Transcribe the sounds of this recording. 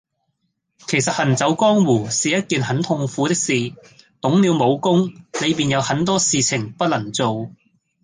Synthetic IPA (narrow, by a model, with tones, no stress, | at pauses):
kʰe˨˩jsɐ˨t̚hɐ˨˩nt͡sɐ˨˥wkɔː˥ŋwuː˨˩siː˨jɐ˥t̚kiː˨nhɐ˨˥nt̪ʰʊ˧ŋfuː˨˥t̪ɪ˥k̚siː˨t̪ʊ˨˥ŋliː˨˧wmo˨˧wkʊ˥ŋle˨˧jpiː˨˩njɐ˨˧whɐ˨˥nt̪ɔː˥siː˨t͡sʰɪ˨˩ŋpɐ˥t̚lɐ˨˩ŋt͡so˨w